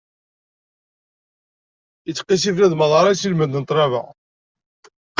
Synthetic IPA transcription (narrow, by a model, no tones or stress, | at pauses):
it͡sːqːisiflæðmɑðˤɑɾˤajsilmənd̪ənt̪ˤɾˤɑvə̰